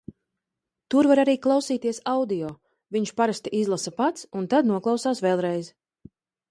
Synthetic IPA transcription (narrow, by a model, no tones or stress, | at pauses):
t̪uɾvaɾaɾiːklˠawsiːt̪iɛsawd̪ijɔː | viɲʃpaɾast̪iʔizlˠasapat̪sunt̪ad̪nuɔklˠɑwsaːsvɛlˠɾɛjz